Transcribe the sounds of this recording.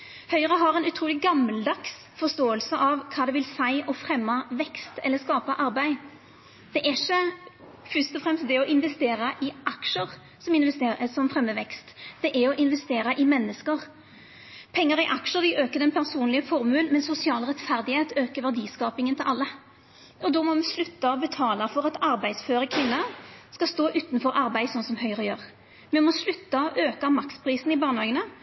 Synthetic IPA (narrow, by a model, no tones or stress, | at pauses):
hœʏəʁəɦɑʁɛːnʉt̪ʰɾuːlɪɡɑmːəld̪ɑks | fɔʁʂt̪oːəlsəʔɑʋkʰɑːd̪ɛʋɪlsæɪʔɔfɾɛmːɑʋɛkst̪ɛ̰lːəskɑːpəʔɑɾbæɪ | d̪̥ɛʔæʃə | fʏst̪ɔfʁɛmst̪̚d̪ɛɔʔɪnʋɛst̪eːɾəʔɪʔɑkʃəʁ | sɔmɪnʋɛst̪ːəsɔmfɾɛmːəʋɛkst̪d̪̥ɛʔæɾɔʔɪnʋɛst̪eːɾəʔɪmɛnːəskəʁ | pʰɛŋːəɾɪʔɑkʂəd̪ɪʔøːkəd̪ɛnpʰæʁsuːnlɪəfɔɾmʉːnmɛnsʊsɪɑːlʁɛt̪fæʁd̪ɪheːt̪øːkəʋæʁd̪iːskɑːpɪŋənt̪ɪlʔɑlːə | ɔd̪ɔmɔmɛslʉt̪ːɑɔbət̪ʰɑːlɑfɔʁɑt̪ɑɾbæɪd̪sføːɾəkʰʋɪnːɑskɑst̪oːʔʉːt̪nfɔɾʔɑɾbæɪsɔnsɔmhœʏɾɔjøːʁ | mɛmɔslʉt̪ːɑɔʔøːkɑmɑkspʰɾiːsn̩ɪbɑːʁnhɑːɡənə